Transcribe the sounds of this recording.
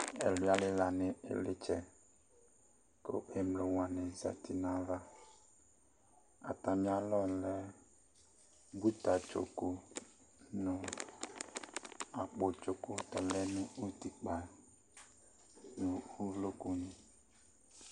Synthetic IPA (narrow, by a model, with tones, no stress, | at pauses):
ɛ˨li˨˦a˦lɪ˦la˨nɪ˨ʔḛ˨lɪ˦t͡ʃɛ˨ | ko̰˦ʔe˨mlo˨wa˨nɪ˨za̰˨tʰi˨na˦va˦ | a̰˨ta˨mĩ˦a˨lɔ˦lɛ˦ | bu˦ta˨t͡ʃo̰˨ko˦ | nʊ̃˨ | a˨k͡po˨t͡ʃo˨ko˦tɔ˨lɛ˦nũ˦u˦ti˨k͡pa˨ | nu˨u˦lo˦ku˦nĩ˨